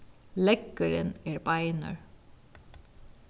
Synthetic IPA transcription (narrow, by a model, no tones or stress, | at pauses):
lɛkːəɾɪnɛɹbaɪnə̰ɹ